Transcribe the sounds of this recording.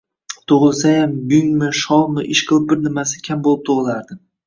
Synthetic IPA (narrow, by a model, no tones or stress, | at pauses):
t̪ʰʊʁɨlˠsajamjʊŋmɪʃɒlˠmɪʔɪʃqʰɨlˠɪp̚bɪɾnɪmasɪ̥kʲʰambolˠɪp̚t̪ʰoʁɨlˠaɾd̪ɪ